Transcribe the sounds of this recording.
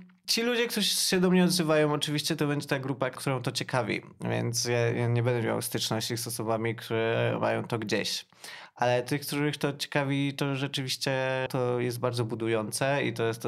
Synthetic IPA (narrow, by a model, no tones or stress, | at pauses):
t͡ɕilud͡ʑɛkt̪uɕɛd̪ɔmɲɛɔd̪zɘvajɔ̃w̃ɔt͡ʂɨvʲiɕt͡ɕɛt̪ɔbɛɲd͡ʑɛt̪aɡɾupakt̪uɾɔ̃w̃t̪ɔt͡ɕɛkavʲḭvʲjɛ̰nt̪sjajaɲɛbɛnd̪ɛmʲja̰wst̪ɘt͡ʂnɔɕt͡ɕisɔsɔbamʲikt̪ʰuɾɛmʔa̰jɔ̃w̃t̪ɔɡd͡ʑeɕ | ʔalɛt̪ɘxk̚t̪uɾɘxt̪ɔt͡ɕɛ̥kavʲit̪ɔʐɛt͡ʂɘvʲiɕt͡ɕɛt̪ɔjɛs̬t̪̚baɾdzɔbud̪ujɔnt̪sɛḭt̪ɔjɛst̪